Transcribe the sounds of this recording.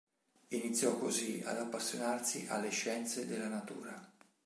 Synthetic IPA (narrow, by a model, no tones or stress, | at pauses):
init̪sːjɔkːozia̰d̪apːasːjonarsiʔa̰lːeʃːɛnt̪sed̪elːanat̪ṵːɾa